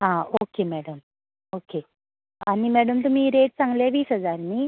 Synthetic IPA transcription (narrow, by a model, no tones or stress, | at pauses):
aːoːkeːmɛːɽɐm | oːkeː | ɐnimɛːɽɐmt̪omiːɾeːʈsɐŋɡɐleːʋiːsɐzaːɾni